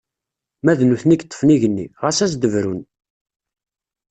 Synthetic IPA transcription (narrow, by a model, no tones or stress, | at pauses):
mæðnuθnikt̪ˤːə̥fniʝənːiʁæsæsd̪əvɾun